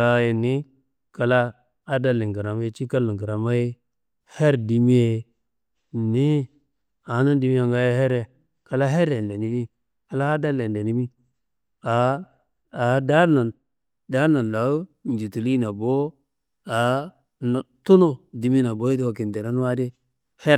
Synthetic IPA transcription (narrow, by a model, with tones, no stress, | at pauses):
a˦je˨ni˦ | ka˨laː˦ | da˦li˨ŋ˨ɡa˨ɾa˨ma˦e˦t͡ʃi˦ka˦lu˨ɡa˨ɾa˨ma˦je˦ | he˦ɾdi˨mi˦je˨ | ni˦ | a˨˦na˦ndi˨mi˦a˨ŋɡa˦je˦he˦ɾe˨ | ka˨la˦ɦe˦ɾe˨nde˨ni˦mi˦ | ka˨la˦a˦da˦lːe˨nde˨ni˦mi˦ | a˨ | a˨da˦na˨n | da˦na˨n˨la˨˦ | n˨d͡ʒi˨tu˨li˦na˨bo˦ | a˨ | n˨tu˦no˦di˨mi˦na˨bo˦i˦di˦wa˨ki˨n˨de˨ɾa˦nu˦wa˦de˦ | he˦